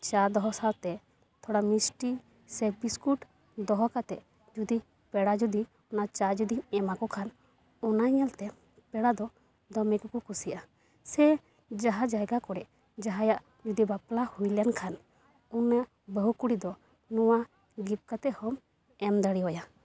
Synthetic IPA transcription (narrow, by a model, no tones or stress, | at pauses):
t͡ʃaɾd̪ɔɦɔsalt̪ɛ | t̪ʰɔɽamisʈi | sɛbiskuʈ | d̪ɔɦɔkat̪ɛʔ | d͡ʒud̪i | pɛɽad͡ʒud̪i | ɔnat͡ʃad͡ʒud̪iɛmakɔkʰan | ɔnajɲɛlt̪ɛ | pɛɽad̪ɔ | d̪ɔmɛkɔkɔkusija | sɛ | d͡ʒaɦad͡ʒajɡakɔɽɛʔ | d͡ʒaɦajaʔ | d͡ʒud̪ibaplahujljankʰan | una | bəɦukuɽid̪ɔ | nɔwa | ɡip̚kat̪ɛhɔm | ɛmd̪aɽiɦɔja